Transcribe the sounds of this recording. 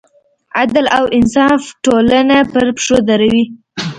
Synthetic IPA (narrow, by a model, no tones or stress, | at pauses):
ad̪lawɪnsɑfʈolanapəɾpʂod̪aɾawi